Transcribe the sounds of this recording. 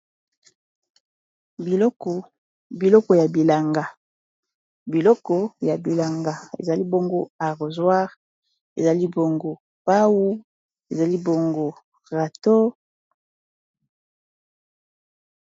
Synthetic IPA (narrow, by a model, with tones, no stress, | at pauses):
bi˨lɔ˦kɔ˨ja˨bi˨la˨ŋɡa˨ | bi˨lɔ˦kɔ˨ja˨bi˨la˨ŋɡa˨ḛ˨za˨li˦bo˦ŋɡo˦a˨ʁo˨zwa˦ʁ | ḛ˨za˨li˦bo˨ŋɡo˨ | pa˦wu˦ | e˨za˨li˦bo˨ŋɡo˦ | ʁa˨to˦